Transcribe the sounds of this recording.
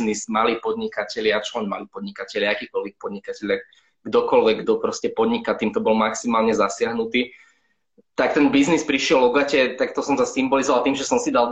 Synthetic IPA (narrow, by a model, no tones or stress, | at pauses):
nismaliːpɔd̪ɲikacɛʎɪat͡ʃɔlɛnma̰liːpɔd̪ɲikacɛʎɪaakiːkɔlʋɛk̚pɔd̪ɲikacɛʎa | ɡd̪ɔkɔlʋɛɡɡd̪ɔpɾɔscɛpɔd̪ɲikat̪iːmt̪ɔbɔlmaksimaːlɲɛzasɪaɦnut̪iː | t̪ak̚t̪ɛnbiznispɾiʃɪɛlɔɡacɛt̪ak̚t̪ɔsɔmsasimbɔlizɔʋalt̪iːmʒɛsɔmsid̪al